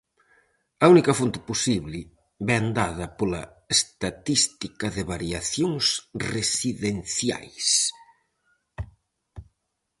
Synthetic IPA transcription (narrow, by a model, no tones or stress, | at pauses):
ɐunikɐfont̪ɪ̥posiβlɪ | βɛand̪aðɐpolɐ | est̪at̪ist̪ikɐðɪβaɾjaθjoŋsresiðenθja̰js